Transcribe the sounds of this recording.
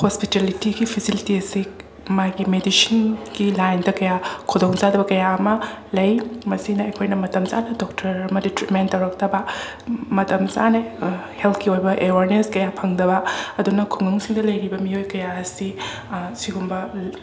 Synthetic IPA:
hospitelitiɡipʰisilitiɐsi | majɡimedisinɡ̥ilajndɐkɐjakʰudoŋzadɐbɐkɐjaɐmɐlɐjmɐsinɐɐjkʰojnɐmɐtɐmzanɐdok̚tʰɐɾɐmɐditɾimentːɐwɾɐk̚tɐbɐ | mɐtɐmza̰nɐhelt̪̚ʰkiojbɐʔewaɾneskɐjapʰɐŋdɐbɐɐdunɐkʰuŋɐŋsiŋdɐlɐjɾibɐmiojkɐjaɐsi | siɡumbɐ

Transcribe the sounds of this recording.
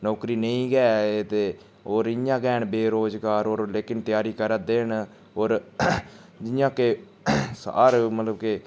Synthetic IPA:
nɔːkɾiːnəĩːɡɛːeːt̪eː | oːɾɪjãːɡɛːɳbeːɾoːzkaːɾoːɾleːkɪnt̪ɪjaːɾiːkəɾəd̪eːɳ | oːɾ | d͡ʒɪjãːke | sa̰ːɾmət̪ləbkeː

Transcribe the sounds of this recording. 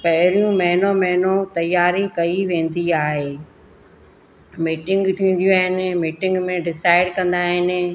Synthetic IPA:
pɐɦɪɾijũmɐɦɪnomɐɦɪnot̪ɐjːaːɾikɐiʋẽːn̆d̪iaːɦeː | miːʈɪ̃ŋɡt̪ʰiʋĩːn̆d̪ijũaːɦɪnɪ̆miːʈɪ̃ŋɡmẽɖɪsaːɪɖkɐ̃nd̪aːɦɪnɪ̆

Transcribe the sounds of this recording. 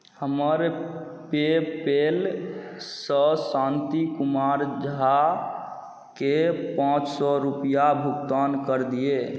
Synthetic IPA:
həməɾ | pepel | səsãnt̪ikumaɾd͡ʒɦa | kepãt͡ʃsɔɾupijabʱukt̪ankəɾd̪ije

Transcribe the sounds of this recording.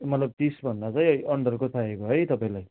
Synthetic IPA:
mʌt̪lʌb̚t̪isbʱʌndat͡sãj̃ʌiʔʌɳɖʌrkot̪ʰaekoɦʌjt̪ʌpaĩlaj

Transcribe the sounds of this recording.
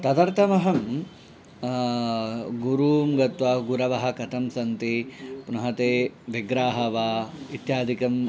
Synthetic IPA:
t̪ɐt̪ɐɾt̪ʰɐmɐɦɐm | ɡuɾuːmɡɐt̪ʋɐɡuɾɐʋɐɦɐ̆kɐt̪ʰɐmsɐnt̪ipunɐɦɐt̪eːʋiɡɾaːɦɐʋaːit̪jaːd̪ʱikɐm

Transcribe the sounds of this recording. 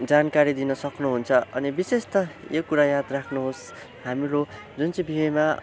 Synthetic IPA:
d͡zankaɾid̪inʌsʌknuɦunt͡sʰʌʔʌ̰nibisest̪ʌjokuɾajad̪rakʰnuɦos | hamiɾo | d͡zunt͡sʌĩbʱiɦʌjma

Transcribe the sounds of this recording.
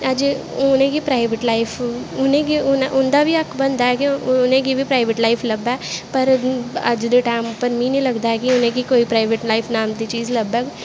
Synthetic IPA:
əd͡ʒ | ʊnẽːkipɾaːɪʋeʈlaːɪpʰʊnẽːɡiʊnʔʊnd̪aːbʱiəkʰbə̃nd̪aːɦɛkiʊnẽːkibʱipɾaːɪʋɪʈlaːɪpʰləbaːpəɾə̰d͡ʒd̪eʈaːmʊpəɾmĩːnĩːləɡd̪aɦɛkɪʊnẽːkikoːipɾaːɪʋeʈlaːɪpʰnaːmd̪it͡ʃiːzləbɛ

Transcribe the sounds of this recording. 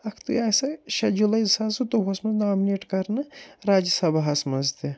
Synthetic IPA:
ɐkʰt̪ṵjaːjsɐʃɐd͡ʒulɐjzsɐsut̪oɦosmɐznaːmineːʈkɐɾnɨɾaːd͡ʒɐsɐbaɦɐsmɐzd̪i

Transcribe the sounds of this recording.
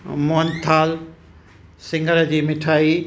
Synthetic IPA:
moənt̪ʰaːl | sɪ̃ŋɡəɾd͡ʑiːmɪʈʰaːi

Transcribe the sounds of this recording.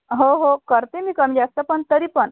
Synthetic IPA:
ɦoɦokəɾt̪emiːkəmd͡ʑast̪əpəɳt̪əɾiːpəɳ

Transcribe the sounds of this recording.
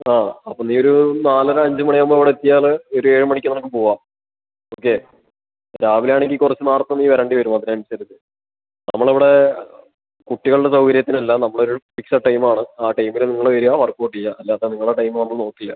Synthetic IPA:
aːɐpːoːniːo̞ɾunaːlɐɾɐɲd͡ʑɨmɐɳiɐmboiʋiɽeet̪ːijaːlɨo̞ɾue̞ːɻɨmɐɳikʲːɨnɐmukːɨpo̞ːuʋaːm | oːkːe | ɾaːʋiljaːɳeŋʲkɡikurɐt͡ɕːɨnaːrt̪ːɐniːʋɐɾaːɳɖiʋɐɾumaːt̪ːinɐmɐnsɐɾɐt̪ːɨ | nɐmːɐɭiʋiɽe̞ | kuʈːiɣɐɭuɽɖesɐwkɐɾjɐt̪ːinɐlːɐnɐmːɐɭo̞ɾupiksɐʈːɐjmaːɳɨaːʈɐjmilniŋːɐɭʋɐɾuaːfɐrkoːʈːijaɐlːaːðeniŋːɐɭaʈɐjmɨnɐmːɐɭno̞ːkːilːɐ

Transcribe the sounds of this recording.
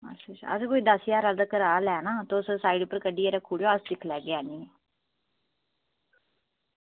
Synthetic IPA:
ə̰sət͡ʃa̰ə̰skoːiːd̪əsjaːɾaːld̪aːkəɾaːlɛːnaːt̪oʊssaːiːɖpəɾkəɖiːeɾakʰuːɽjoːəsd̪ɪkʰlɛːɡeaːniːneː

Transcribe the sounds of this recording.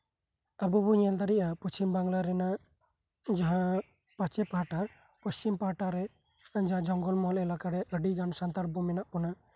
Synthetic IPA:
abubuɲɛld̪aɾiʔapəst͡ʃimbaŋɡlaɾɛna | d͡ʒaɦã | pat͡ʃɛpaʈa | pəst͡ʃimpaʈaɾɛ | d͡ʒaɦãd͡ʒɔŋɡɔlmɔlɛlakaɾɛʔəɖiɡansant̪aɾbɔmɛnaʔkɔna

